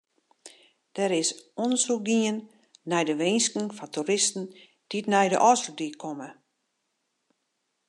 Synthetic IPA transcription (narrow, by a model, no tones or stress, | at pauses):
d̥əɾɪsonəsuk̚ɡiənː | ɛjdəʋeːnskəŋfɔntʰuɾɪstn̩ | d̥itnɛjdə̰ʔɔsrədikʰɔmə